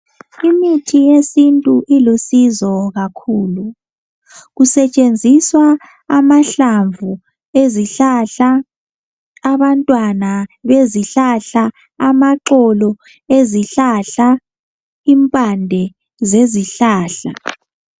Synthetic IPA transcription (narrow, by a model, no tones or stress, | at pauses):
imitʰijesintʼuʔilosizɔɣakʰuːlu | ɣusɛt͡ʃʼend͡zʱiswaː | maɬaɱvʱu | eziɬaɬa | βantʼwanaβeziɬaɬa | amaǁɔlɔ | eziɬaɬa | impʼandʱɛ | zeziɬaːɬa̰